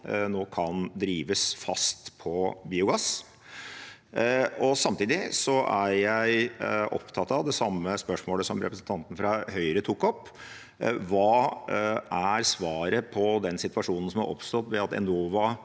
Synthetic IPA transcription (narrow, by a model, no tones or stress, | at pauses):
noːkʰɑnd̪ɾiːʋəsfɑst̪pʰɔbiːʊɡɑs | ɔsɑmt̪iːd̪ɪsɔʔæɾjæɪʔɔ̰pt̪ʰɑt̪ːɑʋd̪ɛsɑmːəspœʂmoːləsɔmɾʔɛpɾəsn̩t̪ɑnt̪n̩fɾɑhœʏɾət̪ʰʊkːɔpː | ʋɑː | ʔæɾsʋɑːɾəpʰɔd̪ɛnsɪt̪ʋɑʂuːnən̩sɔmɑ̰ɾʔɔ̰pst̪ɔt̪ʋɛɑt̪ɛ̰noːʋɑ